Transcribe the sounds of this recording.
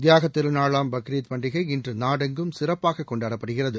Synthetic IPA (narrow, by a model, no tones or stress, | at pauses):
d̪jaːɣɐt̪ːɪlnaːɭaːmbɐkɾiːt̪pɐɳɖɪɣɐɪɪndrɯnaːɽɐŋɡɯmsɪrɐpːaːɣɐkːɔɳɖaːɽɐpːɐɽɯɣɪrɐðɯ